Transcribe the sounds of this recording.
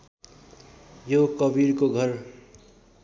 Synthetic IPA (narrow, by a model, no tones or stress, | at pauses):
jokʌbiɾkoɡʱʌɾ